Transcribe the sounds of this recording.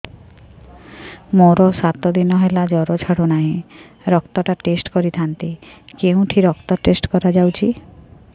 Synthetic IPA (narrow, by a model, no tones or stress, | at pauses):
moɾɔsat̪ɔd̪inɔɦelad͡ʒɔɾot͡ʃʰaɽonaɦĩ | ɾɔkt̪ɔʈaʈesʈkɔɾit̪ʰant̪ikeũʈʰiɾɔkt̪ɔʈesʈkɔɾad͡ʒawt͡ʃʰi